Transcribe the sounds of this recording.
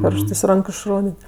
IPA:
pʲoːrʃˈtɜs ˈrɐŋkʊ ɪʃˈroːdʲeːtʲ

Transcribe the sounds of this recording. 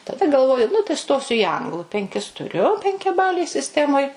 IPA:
tɐˈdɐ ɡɐlˠˈʋoːjʊ nʊ tɐɪ ˈstoːsʲʊ iː ˈɐŋɡlˠʊ pʲɛŋʲˈkʲɪs tʊˈrʲʊ pʲɛŋʲkʲɛˈbɑːlʲeːj sʲɪsʲˈtʲæːmoːj

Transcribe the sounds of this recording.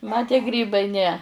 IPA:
mɐ tʲiɛ ˈɡrʲiːbɐɪ nʲɛ

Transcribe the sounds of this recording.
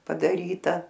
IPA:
pɐdɐˈrʲiːtɐ

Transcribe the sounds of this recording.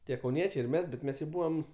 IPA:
ˈtʲiɛ kɐʊˈnʲiɛt͡ʃʲɛɪ ɪr ˈmʲɛs bʲɛt ˈmʲɛs jɛʊ ˈbuːʋɐm

